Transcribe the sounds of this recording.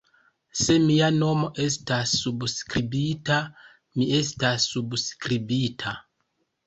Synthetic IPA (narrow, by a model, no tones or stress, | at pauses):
se̞miano̞mo̞ʔe̞stasːubskɾibita | mie̞stasːubskɾibitʰa